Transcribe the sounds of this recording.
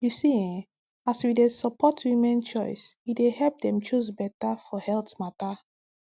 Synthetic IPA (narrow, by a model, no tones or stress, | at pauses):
jusiɛ̃ | aswidesəpʰɔtʰwimɛ̃nt͡ʃɔɪswidehɛlp̚dɛ̃mt͡ʃus̬bɛtafɔhɛltmata